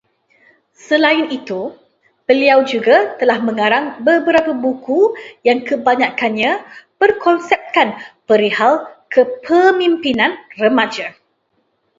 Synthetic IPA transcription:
səlaɪnit̪u | bəliawd͡ʒuɡat̪əlahmə̃ŋãɾaŋbəbəɾapabukujaŋkəbaɲãkanɲãbərkʰɔnsɛp̚kanpəɾihalkʰəpʰəmĩmpinãnrəmãd͡ʒa

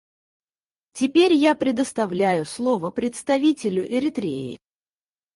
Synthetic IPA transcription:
tʲɪpʲeɾʲjapɾʲɪd̪əst̪ɐvlʲæjʊslˠo̞vəpɾʲɪt̪st̪ɐvʲitʲɪlʲʊʔɪɾʲɪt̪ɾʲḛɪ̰

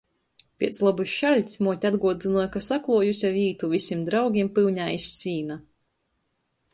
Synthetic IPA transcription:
pʲiɛt̪slˠabuʃʃalʲt̪ʲsmuɔt̪ʲad̪ɡuɔd̪ɨnuɔjkasaklˠuɔjusʲaviːt̪uvisʲimd̪ɾawɡʲimpɨwɲaːisːiːna

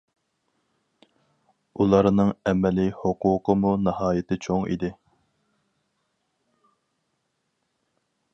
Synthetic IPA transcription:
ulˠɑɾnɨŋɛmɛlihʊqʰuːqʰəmunɨhɑːjɪt̪ʰɪt͡ʃʰoŋḭd̪ɪ

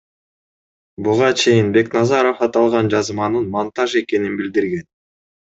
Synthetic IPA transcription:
buʁɑt͡ʃʰe̞jinbe̞knɑzɑɾo̞fɑt̪ɑlˠʁɑnd͡ʒɑzmɑnɯnmont̪ɑʒe̞ke̞ninbild̪iɾɡe̞n

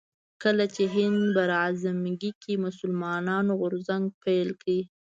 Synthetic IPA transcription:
kəlat͡ʃeɦɪnd̪baɾazamɡikimʊsʊlmɑnɑnoɣʊɾzaŋɡ̚pʰajlkɽi

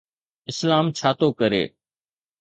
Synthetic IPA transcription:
ɪslaːmt͡ʃʰaːt̪oːkəɾḛː

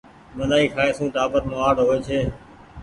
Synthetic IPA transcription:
məlaːiːkʰaːeːsũːʈaːpət̪moːaːɽɦoːeːt͡ʃʰeː

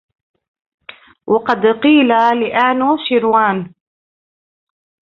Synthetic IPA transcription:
wʔɑqɑd̪qiːlalɪʔaːnʃiɾwaːn

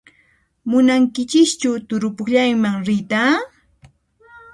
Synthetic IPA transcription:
mʊnaŋkɪt͡ʃɪkt͡ʃʊt̪ʊɾʊpʊxʎajmaŋɾɪt̪aː

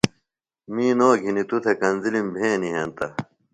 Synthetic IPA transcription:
mĩːnoːɡʱinit̪ut̪ʰɐkɐnzilimbʱẽːniɦɐnt̪ɐ

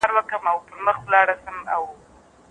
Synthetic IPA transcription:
ɾwəkəmawp̪əɾməxwlɑɽasəmaw

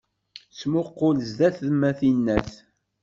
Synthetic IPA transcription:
t͡smʊqːolzðæθðmæθinːæθ

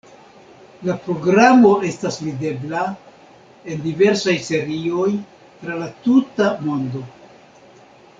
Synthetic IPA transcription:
lapɾo̞ɡɾamo̞ʔe̞stasvide̞bla | e̞ndive̞ɾsajse̞ɾio̞j | tɾalatutamo̞ndo̞

